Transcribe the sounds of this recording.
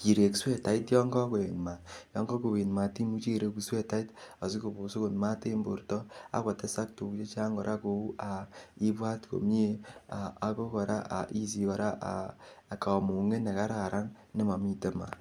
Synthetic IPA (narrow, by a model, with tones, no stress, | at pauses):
t͡ʃi˨ɾe˨kswe˦ta˨i˦tjɔ˦ŋɡɔ˦ko˨e˨nma˨jɔ˦ŋɡɔ˦ko˨we˨nma˨ti˦mu˦t͡ʃi˦˨ɾe˧i˨swe˦ta˦i˦ta˨si˦ko˨bo˨si˦ko˨nma˦te˦mbo̰˨ɾtɔ˦a̰˦kɔ˨tɛ˦sa˦k̚tu˨kt͡ʃe˦t͡ʃa˦ŋɡɔ˨ɾʔa˦ko˨u˦ʔa˨i˦bwa˦tko̰˨m˦e˦a˨a˨˦ko˦kɔ˨ɾa̰˦ʔa̰˨ʔi˦s̬i˨kɔ˨ɾa˦ʔa̰˨ka˨mu˨ŋe˦ne˨ka˦ɾa˨ɾa˦ŋ | ne˦ma˨mi˦te˦ma̰˨